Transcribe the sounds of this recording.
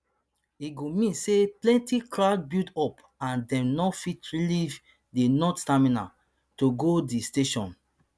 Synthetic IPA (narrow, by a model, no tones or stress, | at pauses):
iɡomĩnseplɛ̃ntikɾad̚bidɔp | ãndɛ̃mnɔfitɹiliv | denɔttamĩna̰ | toɡodisteʃɔ̃n